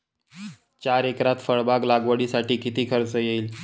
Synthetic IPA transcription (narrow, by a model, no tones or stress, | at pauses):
t͡ɕaɾekɾat̪fəɭbaɡlaɡʋəɽiːsaʈiːkit̪iːkʰəɾt͡səjeiːl